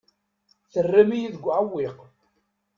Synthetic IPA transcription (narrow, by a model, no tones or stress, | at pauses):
θərːæmijiðəɡʷʕawːɪq